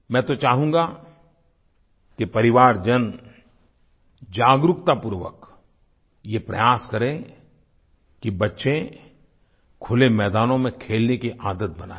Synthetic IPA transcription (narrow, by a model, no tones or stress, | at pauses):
mɛ̃ːt̪ot͡ʃaːɦũːɡa | kipɐɾɪʋaːɾd͡ʒɐn | d͡ʒaːɡɾʊkt̪apʊɾʋə̰k | jepɾɐ̰jaːskɐɾẽ | kibɐtːʃẽ | kʰʊlemɛːd̪aːnõmẽkʰeːlnekiʔaːd̪ət̪̚bɐna̰ː